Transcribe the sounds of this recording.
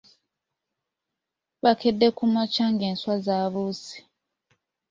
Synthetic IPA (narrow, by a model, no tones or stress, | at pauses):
βakʰedːekumat͡ʃaŋɡenswazaβusi̥